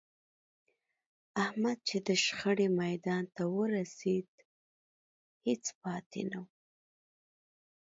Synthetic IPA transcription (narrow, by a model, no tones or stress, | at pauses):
ahmad̪̚t͡ʃed̪əʃxəɽemajd̪ɑnt̪awəɾased̪ | het͡spɑt̪ʰḛnaw